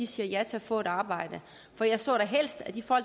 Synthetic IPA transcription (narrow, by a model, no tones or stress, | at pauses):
isiːɐjæt͡sʰe̝æfɔ̰̽ːe̝d̥ɑ̈ːb̥ɑ̈ɪ̰d̥ə | fɒjɑ̈ɪsɔ̰̽ːɾ̥ɑɦel̰sd̥æd̥ifɒ̽l̰